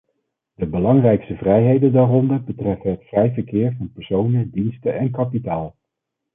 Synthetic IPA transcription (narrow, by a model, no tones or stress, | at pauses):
dəbəlɑŋrɛjkstəvrɛjɦejdəndaːrɔndəɹbətrɛfənɦətfrɛjvəɹkɪːɹvɑnpɛɹsownədinstəɛnkɑpitaːlˠ